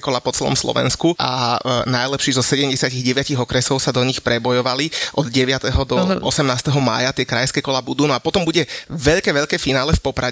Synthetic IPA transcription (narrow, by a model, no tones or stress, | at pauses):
kɔlapɔt͡sɛlɔ̰mslɔ̰ʋɛ̰nskuʔa̰najlɛpʃiːzɔsɛɟɛmɟɛsɪaciɣɟɛʋɪaciɣɔkɾɛsɔʊsad̪ɔɲixpɾɛbɔjɔʋaliʔɔd̪ɟɛʋɪat̪ɛɦɔd̪ɔʔɔsɛmnaːst̪ɛɦɔma̰ːjat̪ɪɛkɾajskɛːkɔlabud̪uːnɔapɔt̪ɔmbuɟɛʋɛʎkɛːʋɛʎkɛːfinaːlɛfpɔpɾa